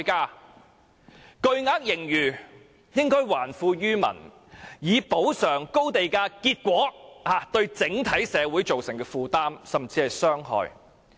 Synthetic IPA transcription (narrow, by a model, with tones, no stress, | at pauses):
kaː˧ | kɵ˧ɥŋaː˧˥k̚jɪ˨˩ŋjyː˨˩ | jɪ˥ŋkɔː˥jwaː˨˩nfuː˧ɥyː˥mɐ̰˨˩n | jiː˨˧po˨˥wsœː˨˩ŋko˥wt̪e˨jkaː˧kiː˧t̚kʷɔː˨˥haː˨˧t̪ɵ˧ɥt͡sɪ˨˥ŋt̪ʰɐ˨˥jsɛː˨˧wuː˨˥jt͡so˨wsɪ˨˩ŋkɛː˧fuː˧t̪aː˥msɐ˨mt͡siː˧hɐ˨jsœː˥ŋhɔ̰ː˨˧j